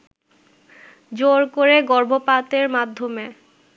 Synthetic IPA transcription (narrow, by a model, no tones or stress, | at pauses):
d͡ʑoɾkoɾeɡɔɾbʱopat̪eɾmad̪ʱːome